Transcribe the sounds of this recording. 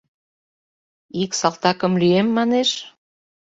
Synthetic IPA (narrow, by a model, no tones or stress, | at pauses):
iksɑlt̪ɑkə̆mlyemːɑneʃ